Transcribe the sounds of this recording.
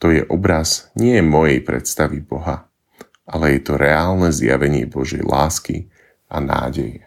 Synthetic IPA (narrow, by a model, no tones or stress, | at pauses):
t̪ɔjɛʔɔbɾazɲɪɛjɛmɔjɛjpɾɛ̰t̪st̪aʋibɔɦa | alɛjɛt̪ɔɾɛaːlnɛzja̰ʋɛɲɪɛbɔʒɪɛ̰jlaːskḭ | ʔana̰ːɟɛjɛ